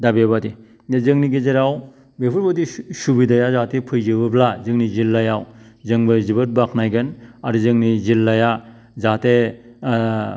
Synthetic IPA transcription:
dabebadi | zɯŋniɡezeɾaw | bepʰɯɾbɯdisubidajazatepʰɯjzɯbɯblazɯŋnizilːajawzɯŋbɯzibɯt̚baknajɡɯnaɾɯzɯŋnizilːaja | zate

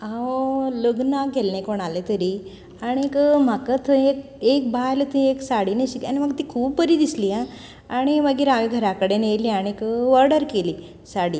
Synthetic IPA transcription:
aoləɡnaɡʱelnẽkoɽ̃alet̪əɾi | aɽ̃ikm̤akət̪ʰəek̚ | ek̚bʱajlət̪ieksaɽineɕikaniməɡt̪ikʰuːpːəɾid̪isliã | aɽ̃iməɡiːɾaʋeɡʱəɾakəɽenejliaɽ̃ikʋəɾɖəɾkeli | saɽi

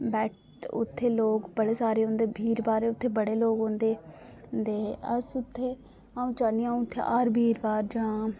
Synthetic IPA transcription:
bɛːʈ | ʊ̰t̪ʰːeːloːkbəɽeːsaːɾeːɦõːnd̪eːbʱiːɾbaːɾeːʊt̪ʰːeːbəɽeːloːɡɦõːnd̪eː | d̪eːəsʊt̪ʰːeː | aːũːt͡ʃaːniãːũʊt̪ʰːḛːʔaːɾbʱiːɾbaːɾd͡ʒãː

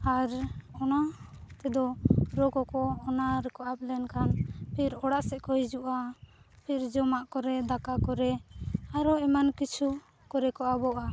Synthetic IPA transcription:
aɾɔnat̪ɛd̪ɔɾɔkɔkɔːnaɾɛkɔʔap̚lɛnkanpʰiɾɔɽaʔsɛʔkɔɦid͡ʒuʔapʰiɾd͡ʒɔmaʔkɔɾɛd̪akakɔɾɛaɾɔɛmankit͡ʃʰu | kɔɾɛkɔʔabɔʔa

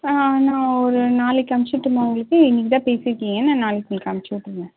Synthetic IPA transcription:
aaːnãːɔɾɯnaːlɛkːɐmɪt͡ʃːɪʈːɯmaʋʊŋɡɐɭɯkːɯɪnːɪk̬ːɪt̪ãːpeːsɪɾɯkːiːŋɡɐnãːnaːlɪkːɪkːɐmt͡ʃːɯʋɪʈːɪɾɯnɡ̪ɛ̃

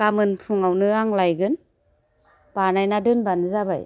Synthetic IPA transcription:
kamɯnpʰɯŋawnɯaŋlajɡɯn | b̥aɾnajnadɯnbanɯzaba̰j

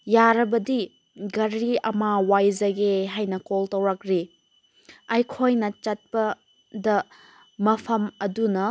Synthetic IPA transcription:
jaɾɐbɐdi | ɡɐɾiɐmawajzɐɡeɦajnɐkoltɐwɾɐk̚ɾi | ɐjkʰojnɐt͡ʃɐt̚pɐ | dɐ | mɐpʰɐmɐdunɐ

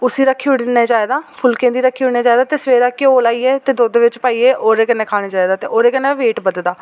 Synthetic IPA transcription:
ʊsiːɾəkʰːiːʊɽneːd͡ʒaːeːd̪aːpʰʊlkẽːd̪iːɾəkʰːiːʊɽneːd͡ʒaːeːd̪aːt̪eːsʋeːɾaːkeoːlaːiːɛːt̪eːd̪oːd̪ʋɪt͡ʃpaːiːeːʔoːɾeːkənːɛ̃ːkʰaːɽ̃eːd͡ʒaːeːd̪aːt̪eːʔoːɾeːkənːɛ̃ːʋeːʈbəd̪d̪aː

